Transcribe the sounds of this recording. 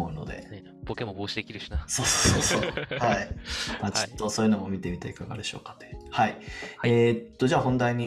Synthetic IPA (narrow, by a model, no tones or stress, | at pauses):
oɯ̟no̞̰d̪e̞̰ | b̥okemoboːɕid̪e̞kʲiɾɯ̟ɕi̥naso̞ːsoːsoːsoːhaimaːt͡ɕi̥t̪ːo̞so̞ːjɯ̟nomo̞mʲit̪e̞mʲit̪aikaɡa̰d̪e̞ɕo̞̰ːkḁt̪ːo̥jhaieːt̪ːo̞d͡ʑaːɦõ̞nd̪aiɲ̟i